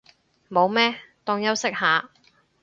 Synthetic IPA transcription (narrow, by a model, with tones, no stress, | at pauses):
mo˨˧wmɛː˥t̪ɔː˧ŋjɐ˥wsɪ˥k̚haː˨˧